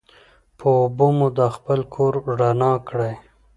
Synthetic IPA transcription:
pʰəːbomud̪əxpəlkʰoɾɖanɑkɽaj

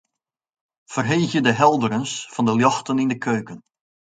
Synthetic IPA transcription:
fərɦeːxjədəɦɛlˠdəɾənsfɑndəljɑxtənɪndəkʰøːkən

